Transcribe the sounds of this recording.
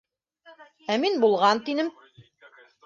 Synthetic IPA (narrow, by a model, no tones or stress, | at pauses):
æminbulˠʁɑnt̪inɘm